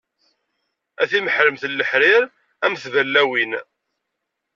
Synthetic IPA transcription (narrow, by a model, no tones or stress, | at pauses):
æθiməħɾəmθəlːəħɾɪɾ | æmθvælːæwin